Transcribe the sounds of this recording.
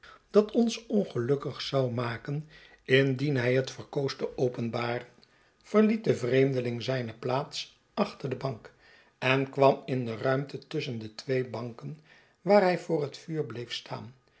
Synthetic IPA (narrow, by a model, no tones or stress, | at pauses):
d̥ɑtʰɔnsɔnχəlɵkəχsɑwmaːkən | ɪndinɦɛjɦətfəɹkowstəʔowpənbaːrən | v̥əɹlit̚dəvrejmdəlɪŋzɛjnəplaːts | ɑχtəɹdəbɑŋk | ɛnkʋɑmɪndərœɥmtətʏsəndətʋejbɑŋkən | ʋaːɹɦɛjvʊːrɦətfyːɹblejfstʰa̰ːn